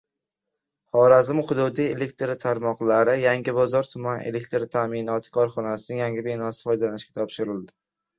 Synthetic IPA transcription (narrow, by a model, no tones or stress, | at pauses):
hɒɾazɪmχʊd̪ud̪ije̞lek̚ʲt̪ɾɪt̪ʰaɾmɒqlˠaɾɪjaŋʲɪbɒzɒɾt̪ʰʊmanʔḛlek̚ʲt̪ɾɪt̪ʰamɪnɒt̪ʰɪ̥kʰɒɾχɒnasɪnɪŋjaŋʲɪbenɒsɪ̥fɒjd̪alanɪʃkʲḁt̪ʰɒpʃɪɾɪld̪ɪ